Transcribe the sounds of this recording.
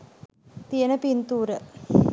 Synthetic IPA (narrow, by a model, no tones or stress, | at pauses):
t̪ijənəpint̪uːɾə